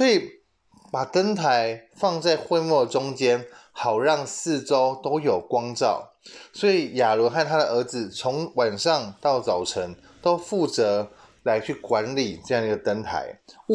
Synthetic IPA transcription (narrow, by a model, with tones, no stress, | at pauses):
sɔ˧˥i˨˩ | pa˨˩t̪ə˦˥nt̪ʰa˧˦ɪfɑ˥˧ŋt͡sa˥˧ɪxwe˥˧ɪmwɔ˥˩ʈ͡ʂʊ˥ŋt͡ɕjɛ˥nxɑ˨˩ʊɻɑ˥˧ŋsɹ̩˥˨ʈ͡ʂo˦ʊt̪o˥ʊjo˨˩ʊkwɑ˥ŋʈ͡ʂɑ̰˥˩ʊ | swɔ˧˥i˨˩ja˨˩lɔ˧˥xa˥˩nt̪ʰa˥d̪ə˨ə˧˥d͡zɹ̩˨˩t͡sʰo˧˥ŋwa˨˩nʂɑ˥˧ŋt̪ɑ˥˩ʊt͡sɑ˨˩ʊʈ͡ʂʰə˧˥ŋ | t̪o˥ʊfu˥˩t͡sɤ˧˥ | la˧˥ɪt͡ɕʰy˥˩kwa˧˦nli˨˩ʈ͡ʂɤ˥˧jɑ˥˩ŋi˧ɡə˨t̪ə˥nt̪ʰa̰˧˦ɪ